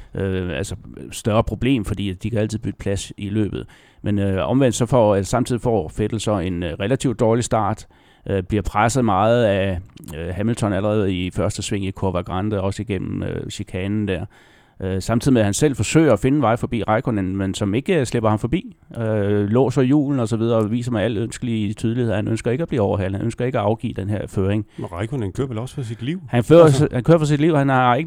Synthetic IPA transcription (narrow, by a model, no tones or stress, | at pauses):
ʔøælsəsd̥ɶɐpʰʁo̝b̥le̝̰ːmfɒ̽d̥ḭːd̥ikʰææl̰t͡sʰið̩̰ˠbyɡ̥ə̥pʰlæsilø̰ːb̥ð̩ˠ | menøɒ̽mʋen̰d̥sɒ̽fɒ̰esɑ̈m̩t͡sʰiðˠifɒ̰ːfed̥l̩sɒ̽e̝nʁelæt͡sʰiʊd̥ɒːlisd̥ɑ̰̈ːd̥ | ʔb̥liɐpʰʁasəð̩ˠmɑ̈ːð̞̩ˠæ | hæml̩t͡sʰɒ̽næləʁɛːð̩ˠifɶɐsd̥əsʋe̝ŋ̰ikʰoɐʋæ̈ɡ̥ʁɑnd̥əɒ̽səiɡ̥en̰m̩øɕikʰɛːnn̩d̥æɐ̰ | ʔsɑ̈mt͡sʰiðˠimehænsel̰fɒ̽sø̰ɪ̰ɐɒfe̝nən̩ʋɑ̈ɪ̰fɒ̽b̥ḭːʁɑ̈ɪkʰonenmensɒ̽me̝ɡ̥əsle̝b̥ɐhɑ̈mfɒ̽b̥ḭːølɔ̰̽ːsɒjṵːln̩ɒsɒʋið̞ˠɐɒʋḭːsɐmɑæləønsɡ̥əlit͡sʰyð̞ˠliheð̰ˠhænønsɡ̥ɐe̝ɡ̥æb̥lḭːɒʊ̰ɐɦæl̰hænʔønsɡ̥ɐe̝ɡ̥æɑ̈ʊɡ̥ḭːd̥enheɐ̰føːʁeŋʁɑɪkʰonenkʰøɐʋelɒ̽sfɑsid̥liʊ̰hænføːɐhænkʰøɐfɒsid̥liʊ̰hænɑeɡ̥